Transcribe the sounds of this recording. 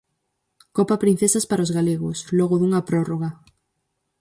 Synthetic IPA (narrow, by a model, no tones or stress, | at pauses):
kopapɾin̟θesaspaɾaozɣaleɣ̞osloɣoðuŋapɾoroɣa